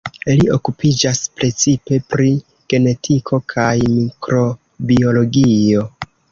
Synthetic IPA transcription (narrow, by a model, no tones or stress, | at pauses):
ilio̞kupʰid͡ʒaspɾe̞t͡sipe̞pɾi | ɡ̥e̞ne̞tʰikʰo̞kʰajmikɾo̞ | bio̞lo̞ɡio̞